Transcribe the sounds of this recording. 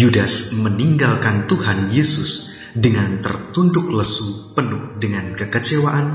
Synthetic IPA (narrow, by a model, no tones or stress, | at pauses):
judasməniŋɡalkant̪uhanjesʊs | dəŋant̪ə̰rt̪undʊk̚ləsupənʊhdəŋankəkət͡ʃewaʔan